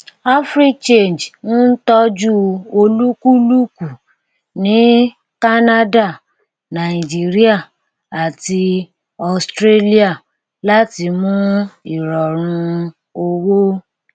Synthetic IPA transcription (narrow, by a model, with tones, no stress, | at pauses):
a˦fɾi˦t͡ʃe˦˨nd͡ʒnũ˦n̩˦tɔ˦d͡ʒu˦o˧lu˦ku˦lu˦ku˨ | nĩ˨˦ | ka˦na˦da˦˨ | nã˨i˨d͡ʒi˨ɾi˦a˦˨ | a˨ti˧ | ɔ˧˨stɾe˦li˦a˦˨ | la˦ti˧mũ˦i˨ɾɔ˨ɾ̃ũ˧ | o˧wo˦